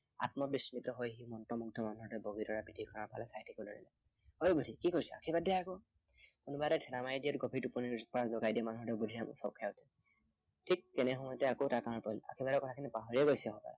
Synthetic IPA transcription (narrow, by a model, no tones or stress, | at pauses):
a̰tmɔbismitɔɦojɦimɔntɔmuɡ̚dʱɔmanuɦɔtɛboɡitɔɹapidʱikʰɔnaɹpa̰lɛsajitʰikono̰ɹḭlɛ | hojɡudʱikikoɹisɛa̰kʰibadɛakɔ | kunubadɛtʰɛlamajdijɔtɡobʱitupɔniɹz̚pɔɹazɔɡajdiɛmanuɦɔdɔbudʱiam̰sɔkʰijatɛ | tʰik̚tɛnɛxɔmɔjɔtɛakotakaɹɔpɔjla̰kʰibadɔkɔtʰakʰinipaɦɔɹiɛɡojsɛakɔpa̰la